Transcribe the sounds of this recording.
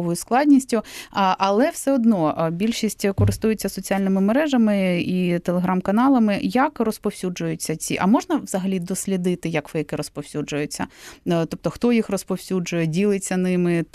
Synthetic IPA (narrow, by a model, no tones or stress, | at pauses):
ʋɔjʊsklˠɑdʲnʲisʲtʲʊʔɐlˠɛwsɛɔd̪nɔbʲilʲʃisʲtʲkɔɾɪst̪ujet͡sʲːɐsɔt͡sʲialʲnɪmɪmeɾɛʒɐmɪit̪elˠeɦɾɑmkɐnɑlˠɐmɪjɐkrɔspɔwsʲud͡ʒʊjʊt͡sʲːɐt͡sʲiʔɐmɔʒnɐʋzɐɦɐlʲid̪ɔsʲlʲid̪ɪt̪ɪjɐkʋɪjɐkɪɾɔspɔwsʲud͡ʒʊjʊt͡sʲːɐ̰t̪ɔp̚t̪ɔxt̪ɔjixrɔspɔwsʲud͡ʒʊjɛdʲilˠɪt͡sʲːɐnɪmɪ